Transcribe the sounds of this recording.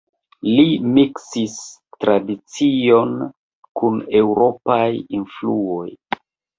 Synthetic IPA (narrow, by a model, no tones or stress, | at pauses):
limiksistɾadit͡sio̞n | kune̞wuɾo̞pajinfluo̞j